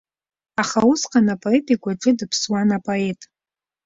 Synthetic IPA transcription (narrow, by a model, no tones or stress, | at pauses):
aχausqʼanapʼoetʼikʷʼaʈ͡ʂʼɨdɨpʰswanapʼoe̞tʼ